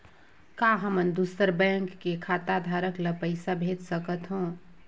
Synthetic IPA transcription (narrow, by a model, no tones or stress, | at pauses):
kaɦəmənd̪usəɾbɛ̃ŋkːekʰat̪ad̪ʱaɾəkləpəɪsabʱet̪səkət̪ɦũ